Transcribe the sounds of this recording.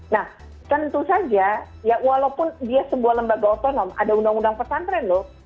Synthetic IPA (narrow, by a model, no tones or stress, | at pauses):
nah | t̪ənt̪usad͡ʒa | jawalapʊndiasəbuahləmbaɡaot̪onɔma̰daundaŋundaŋpərsant̪ɾɛnlʊ